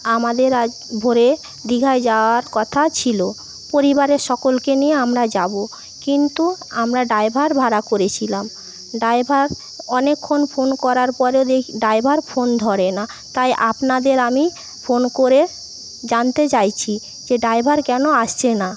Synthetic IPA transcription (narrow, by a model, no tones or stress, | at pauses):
amad̪eɾa | bʱoɾe | d̪iɡʱaed͡ʑaoaɾkɔt̪ʰat͡ɕʰilo | poɾibaɾeɾʃɔkolkenieamɾad͡ʑabo | kint̪uamɾaɖajbʱaɾbʱaɾakoɾet͡ɕʰilam | ɖajbʱaɾ | ɔnekʰːonfʰonkɔɾaɾpɔɾeod̪eɖaebʱaɾfond̪ʱɔɾena | t̪ajʔapnad̪eɾami | fonkoɾe | d͡ʑant̪et͡ɕajt͡ɕʰi | d͡ʑeɖajbʱaɾkɛnoaʃt͡ɕʰena